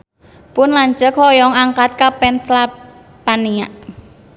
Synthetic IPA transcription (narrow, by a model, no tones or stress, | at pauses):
pʊnlaɲt͡ʃəkʰɔjɔŋaŋkat̪̚kapɛnsla | pania̰ʔ